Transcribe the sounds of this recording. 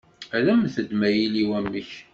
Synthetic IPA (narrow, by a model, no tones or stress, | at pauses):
æðæmθəd̪mæjiliwæmːəç